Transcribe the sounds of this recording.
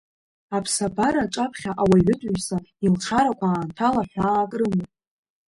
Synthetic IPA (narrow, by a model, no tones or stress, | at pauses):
apʰsabaɾaʈ͡ʂʼapʰχʲaʔawaɥʊtʼʊɥsailʈ͡ʂʰaɾakʷʰaːntʰalaħʷaːkʼrɨmopʼ